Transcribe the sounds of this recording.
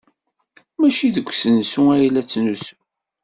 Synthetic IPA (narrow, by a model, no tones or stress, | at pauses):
mæʃiðəɡʷːsənsuæjlæt͡sːnusu̥